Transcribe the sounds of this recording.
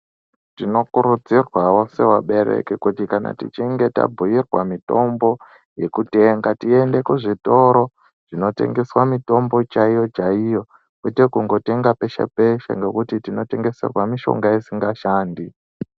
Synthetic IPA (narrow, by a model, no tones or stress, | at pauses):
tino̞kuɾud͡zirwawo̞se̞waɓe̞ɾe̞̰kikutikana̰tḭt͡ʃiŋɡe̞ta̰bʱujirwamito̞mbo̞ | je̞kute̞ːŋɡatie̞nde̞kuʐito̞ɾo̞ | ʐ̥ino̞te̞̰ŋɡe̞swamito̞mbo̞t͡ʃaijo̞t͡ʃaijo̞ | kwetekuŋɡo̞te̞ŋɡape̞ʃa̰pe̞ʃa̰ŋɡe̞kutitino̞te̞ŋɡe̞se̞̰rwamiʃo̞̰ŋɡaisiŋɡaʃaːndi